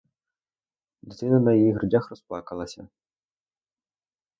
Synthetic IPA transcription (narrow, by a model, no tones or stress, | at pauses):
d̪ʲɪt̪ɪnɐnɐjɐjiɦrʊdʲaxrɔsplˠɑkɐlˠɐsʲɐ̰